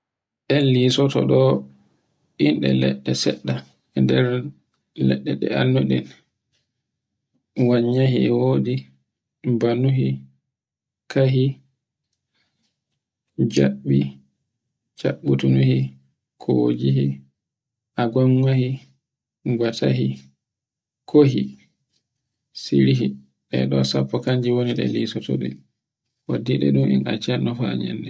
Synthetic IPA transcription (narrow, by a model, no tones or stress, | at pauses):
ɗɛnlisɔtɔ̰ɗɔ | ʔinɗɛ̰lɛɗːɛsɛɗːa | ɛndɛɾ | lɛ̰ɗːɛɗɛ̰a̰nːuɗɛn | waɲːaɦiɛwoːdi | banuɦi | kʰaɦi | d͡ʒaɓːi | t͡ʃaɓːutunuhi | kʰɔwod͡ʒiɦi | ʔaɡaŋɡahi | ɡwatʰaɦi | kʰoɦi | siɾiɦi | ɗɛ̰ɗɔsapːɔkaɲd͡ʒiwoniɗɛ̰lisɔtɔɗɛ̰ | ʔadiɗɛ̰ɗumɛna̰t͡ʃɛnɔfa̰ɲɛ̰ndɛ